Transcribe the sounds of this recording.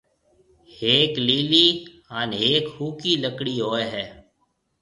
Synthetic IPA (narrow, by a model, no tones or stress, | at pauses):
heːkliːliː | aneːkhuːkiːləkɽiːɦoːeɦɛː